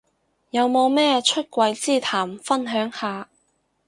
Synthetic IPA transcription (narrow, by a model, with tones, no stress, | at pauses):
jɐ˨˧wmo˨˧wmɛː˥t͡ʃʰɵ˥t̚kʷɐ˧jt͡siː˥˩t̪ʰaː˨˩mfɐ˥nɦœː˨˥ŋhaː˨˧